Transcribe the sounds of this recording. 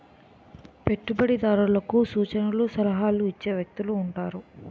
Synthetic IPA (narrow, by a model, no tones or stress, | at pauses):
pe̞ʈːubɐɽid̪aːɾulɐkusuːt͡ʃɐnɐlusɐlɐɦaːluit͡ʃːeːʋjɐk̚t̪uluːɳʈaːɾu